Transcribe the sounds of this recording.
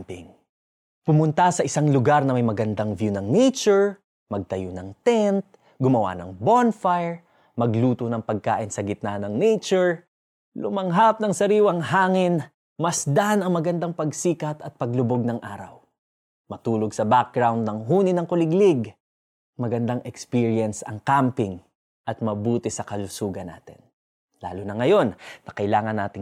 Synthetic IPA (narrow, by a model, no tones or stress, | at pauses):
pɪ̰ŋ | pʊmʊnt̪asɐʔɪsaŋlʊɡaɾnɐmɐjmɐɡɐnd̪aŋvjunɐŋnɛjt͡ʃoɹ | mɐɡ̚t̪ɐjonɐŋt̪ɛnt̪̚ | ɡʊmɐwa̰nɐ̰ŋbonfajɹ | mɐɡluːt̪onɐŋpɐɡ̚ka̰ːʔɪnsɐɡɪt̪̚nanɐŋnɛt͡ʃoɹ | lʊmɐŋɦap̚nɐŋsɐɾiːwɐŋhaːŋɪn | mɐsd̪anɐŋmɐɡɐnd̪aŋpɐɡsiːkɐt̪ɐt̪̚pɐɡlʊboɡ̚nɐŋʔaːɾɐ̰w | mɐt̪uːloɡsɐbak̚ɡɹawnd̪̚nɐŋɦuːnɪnɐŋkʊlɪɡlɪɡ | mɐɡɐnd̪aŋʔɛkspiɹjɐnsɐ̰ŋkampɪŋ | ʔɐt̪̚mɐbuːt̪ɪsɐkɐlʊsuːɡɐnːa̰ːt̪ɪ̰n | la̰ːlʊnɐŋɐjo̞nnɐkɐʔɪlaːŋɐnːa̰ːt̪ɪ